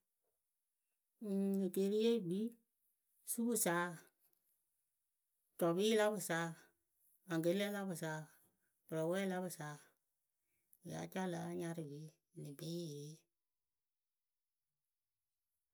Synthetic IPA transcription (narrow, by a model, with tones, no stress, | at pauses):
ŋɨ˨ke˨˦ɾi˦je˦˨ɡ͡bi˦ | su˦bɨ˦saː˨˦ | tɔ˨biː˦la˦bɨ˧˨saː˨˦ | ã˨ŋɡe˨˦ɛ˦la˦bɨ˨saː˨˦ | pɨ˨ɾɔ˨˦wɛː˦la˦bɨ˧˨saː˨˦˨ | a̰˨˦t͡ʃa˦˨la˨˦ɲã˧ɾɨ˧bi˨˦˨ | nĩ˨be˦˨ɾe˨˦